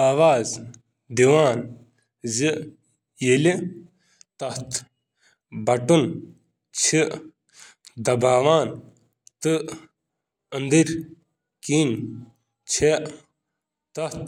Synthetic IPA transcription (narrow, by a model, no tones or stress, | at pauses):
aːʋaːz | d̪iʋaːn | zi | jeli | t̪ɐht̪ | bɐʈun | t͡ʃʰi | d̪ɐbaːʋaːn | t̪ɨ | ənd̪iɾ | kiːn | t͡ʃʰeʔ | t̪ɐt̪